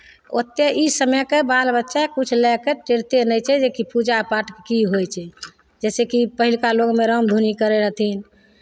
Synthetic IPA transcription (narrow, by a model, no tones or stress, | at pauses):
ot̪ːeʔisəmɛkebalbətːʃakut͡ʃʰlɛkeʈeɾt̪enəjt͡ʃʰɛd͡ʒekipud͡ʒapaʈekiɦojt͡ʃʰɛ | d͡ʒɛsekipəɦilkaloɡmeɾəmd̪ʱunikəɾeɾəɦt̪ʰin